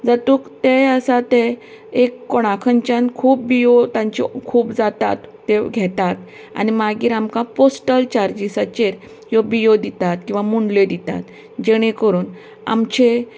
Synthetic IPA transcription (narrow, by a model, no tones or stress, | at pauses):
d͡zat̪uːkt̪eəsat̪e | ekːɔɽ̃akʰəɲt͡ɕankʰuːp̚bijot̪ãɲt͡ɕḭkʰuːpd͡zat̪a̰t̪ːeɡʱɛt̪at̪ | a̰nimaɡiːɾamkãposʈəlt͡ɕaɾd͡ʑisat͡ɕeɾ | jobijod̪it̪at̪kĩw̃ʋamuɳɖled̪it̪a̰t̪ | d͡ʑeɽ̃ekəɾuːn | a̰mt͡ɕe